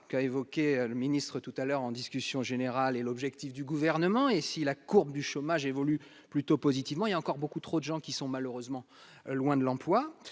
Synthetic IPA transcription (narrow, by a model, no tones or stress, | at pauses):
kaevɔkʲeøləminist̪χət̪ut̪alœʁɑ̃d̪iskʲysjɔ̃ʒeneʁalelɔbʒɛkt̪ifd̪yɡuvɛʁnəmɑ̃esilakuʁbd̪yʃɔmaʒevɔly | plyt̪opɔzit̪ivmɑ̃iljaɑ̃kɔʁbokut̪χod̪əʒɑ̃kʲisɔ̃maløʁøzmɑ̃ | lwɛ̃d̪əlɑ̃plwa